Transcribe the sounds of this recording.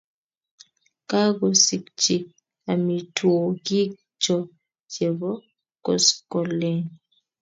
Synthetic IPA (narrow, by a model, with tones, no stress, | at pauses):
ka˦ɡɔ˨si˨k̚t͡ʃi˨ | a˨mi˨two˨ki˦ | t͡ʃɔ˨ | d͡ʒe˨βɔ˦ | kɔ̰˨skɔ˨le˦˨ŋ